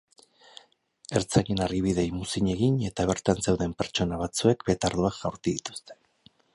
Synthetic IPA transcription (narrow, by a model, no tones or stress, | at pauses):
e̞ɾt͡saʎenarɣiβiðe̞jmusiɲe̞ɣiɲe̞t̪aβe̞ɾt̪anse̞wðe̞mpe̞ɾt͡ʃo̞naβ̞at͡sue̞kbet̪aɾðuaʝawɾt̪uðit̪u̥st̪e̥